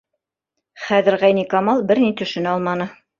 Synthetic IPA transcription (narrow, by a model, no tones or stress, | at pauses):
χæðɘ̆ɾʁæjnikɑmɑlˠbɘɾnit̪ɵ̆ʃɘ̆nɘɑlˠmɑnɤ